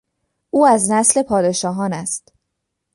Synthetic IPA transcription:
ʔuːæznæsle̞pʰɒːd̪e̞ʃɒːɦɒːnæst̪

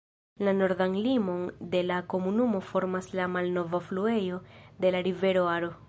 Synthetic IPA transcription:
lano̞ɾdanlimo̞nde̞lako̞munumo̞fo̞ɾmaslamalno̞vaflue̞jo̞de̞laɾive̞ɾo̞aɾo̞

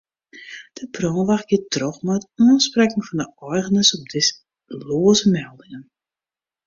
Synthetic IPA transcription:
d̥əprɔːnʋaxɡ̥itrɔχmataːnsprɛkŋfɔndəɔrɣənəsɔp̚dɪs | loːzəmɛlˠdɪŋən

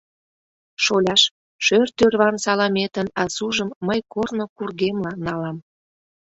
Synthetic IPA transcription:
ʃolʲɑʃ | ʃørt̪ørβɑnsɑlɑmet̪ənɑsuʒəmːəjkornokurɣemlɑnɑlɑm

